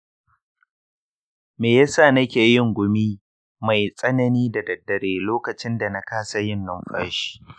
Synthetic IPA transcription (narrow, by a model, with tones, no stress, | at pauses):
meː˨ja˦sa˦˨nɐ˦kʲeː˨jɪ˦ŋɡʷʊ˦miː˦ | ma˨jsʼɐ˦nɐ˦niː˦da˨dɐ˨dːɐ˨ɽeː˨loː˦kɐ˨t͡ʃɪ˦nda˨na˦kaː˦sa˦jɪ˦nːɔ˦mɸa̰˦ʃi̥ː˦